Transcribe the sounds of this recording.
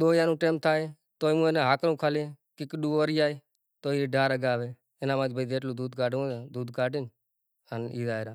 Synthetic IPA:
ɗ̪oːjaːnũːʈeːmt̪ʰaːeː | t̪oːiːmũːenẽːɦaːkɾũːkʰaːleːkɪkɗuːoːɾijaːeː | t̪oːieːɖaːɾəɡaːʋeː | ɪnãːmaːd͡ʒbəid̪eːʈluːd̪uːd̪̚kaːʈõːaːd̪uːd̪kaːʈɪn | əniːd̪aːeɾaː

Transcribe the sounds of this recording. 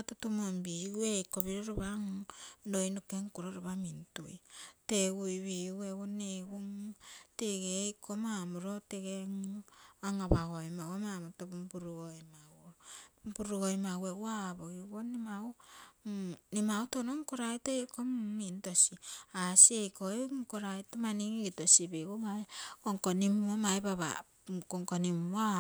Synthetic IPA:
atotomombiuejkoβiɾoɾoβaŋdojnokeŋkuɾoɾoβamintujteɡujβiueβoneɡuŋteɡekomamuɾoteɡeŋaŋaβaɣojmaomamutopumbuɾuɡojmawopuɾuɡojmawewaboiβonimau | nimautonoŋkoɾajtoekomːintosiasiejkoeŋkoɾajtomaniŋɡitosibiɡuŋaekoŋkonimomaebaβa̰ | koŋkonima

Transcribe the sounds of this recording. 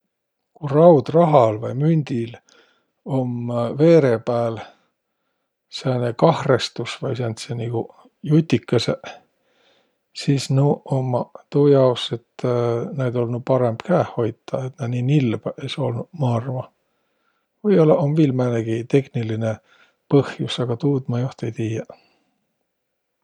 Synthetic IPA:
kurɑwd̪̥rɑɦɑlvɑjmynʲd̪̥il | o̞mve̞ːɾe̞pæːl | sæːnekɑhrest̪usvɑjsenʲt̪seniɡ̥u | jut̪ʲːikːɑse | siːsnuomːɑt̪uːjɑwse̞t̪ːnæjd̪olnupɑɾe̞mb̥kæːhho̞jt̪ːˑɑet̪nɑniːnilb̥eso̞lnumɑrvɑ | vɤjolɑʔomvilmeneɡ̥it̪e̞hniline | pɤhjusɑɡ̥ɑt̪uːd̪mɑjoht̪ejt̪iːjɑ

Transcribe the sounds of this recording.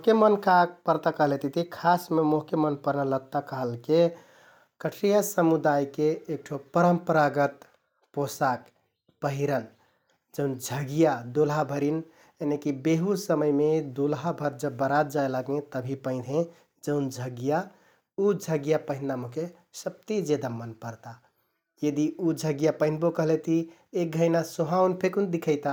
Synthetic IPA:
mkemənkapəɾt̪akəɦəlet̪it̪ʰikʰasmemoɦkemənpəɾnələt̪akəɦəlke | kəʈʰɾijasəmud̪ajkeːk̚ʈʰopəɾəmpəɾaɡət̪ | posak | pəɦiɾən | d͡ʒəʊnd͡ʒʱəɡijad̪ulɦabʱəɾin | enekibeɦusəməjmed̪olɦabʱəɾd͡ʒəbːəɾat̪̚d͡ʒaelaɡẽt̪əbʱipə̃ɪ̃d̪ʱɦẽ | d͡ʒəʊnd͡ʒʱəɡja | ud͡ʒʱəɡjapəɦɪnd̪amoke | səb̚t̪id͡ʒed̪amənpəɾt̪a | jəd̪iud͡ʒʱəɡjapəɦɪ̃nbokəɦlet̪i | ek̚ɡʱəjnasuɦaunpʰekund̪ikʰəɪt̪a

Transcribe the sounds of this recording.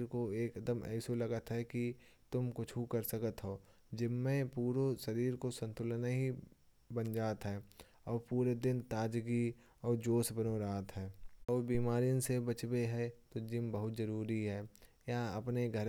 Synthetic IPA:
ɾkoeːkəd̪əmɛ̰ːsolɐɡət̪ɦɛkit̪ʊmkʊt͡ʃʰɦukəɾsəkət̪ɦoː | d͡ʒɪmːẽpuːɾosɐɾiːɾkosə̃nt̪ʊlnaɦi | bənd͡ʒaːt̪ɦɛː | ɔːɾpuːɾed̪ɪnt̪aːd͡ʒɡi | ɔːɾd͡ʒoːsbənoɾaːt̪ɦɛːɔːɾbiːmaːɾinsebɐt͡ʃbeɦɛt̪od͡ʒɪmbəɦʊt̪zɐɾuːɾiɦɛː | jaɐpneɡʱəɾ

